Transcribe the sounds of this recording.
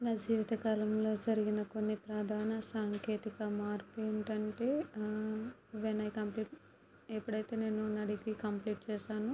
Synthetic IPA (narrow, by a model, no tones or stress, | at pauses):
nɐd͡ʒiːʋɐt̪ɐkaːlɐmlo̞ːd͡ʒɐɾiɡinɐko̞nːipɾɐd̪ʱaːnɐsaːŋkʰe̞ːt̪ikɐmaːɾpːɳʈɐɳʈe̞ː | ʋenɐjkɐmpliːʈ | epːuɽɐjt̪e̞ːne̞ːnunːɐɖiɡɾiːkɐmpliːʈ̚t͡ʃɛːʃaːnu